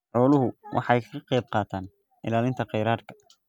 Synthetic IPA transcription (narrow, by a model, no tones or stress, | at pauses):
ħɔːlʊɦʊwʔɑ̰ħɑɛjkʰɐɐqɛjb̚qɑːt̪ʰaːn | ʔɪlaːlɪnt̪ʰɐqɛjɾaːrkʰɐ̥